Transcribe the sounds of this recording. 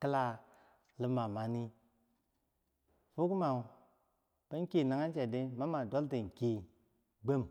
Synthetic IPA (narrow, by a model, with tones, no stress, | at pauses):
kɨ˦la˦ | lɨ˦ma˨ma˨ni˦ | fu˦ku˦ma˨u˨ | bə˦ŋ˦ki˦˨na˨ŋa˦n˦t͡ʃe˨de˦ma˦ma˨do˦lti˨ŋ˨ki˨ | ɡ͡bə˦˨m